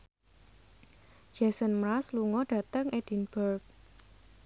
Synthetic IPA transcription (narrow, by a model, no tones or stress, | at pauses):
d͡ʒ̥ɛsənmɾasluŋɔɖ̥ä̤t̪əŋed̥inb̥ərk̚